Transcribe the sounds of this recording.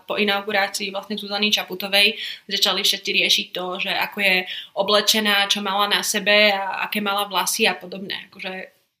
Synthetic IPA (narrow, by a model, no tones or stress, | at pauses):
pɔinaʊɡuɾaːt͡siːʋlasɲɛzuzanit͡ʃaput̪ɔʋɛjzat͡ʃalifʃɛt̪t͡siɾɪɛʃic̚t̪ɔʒɛʔakɔjɛɔblɛt͡ʃɛnaːt͡ʃɔmalanasɛbɛaa̰kɛːmalaʋlasiapɔd̪ɔbnɛ̰ːakɔʒɛ